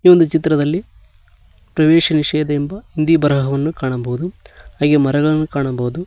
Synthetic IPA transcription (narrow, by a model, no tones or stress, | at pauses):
iːʋond̪ut͡ʃit̪ɾɐd̪ɐlːi | pɾɐʋɛːʃɐniʂɛːd̪ɐembɐind̪ibɐɾɐɦɐʋɐnːukaːɳɐbɐɦud̪uhaːɡeːmɐɾɐɡɐɭɐnːukaːɳɐbɐud̪u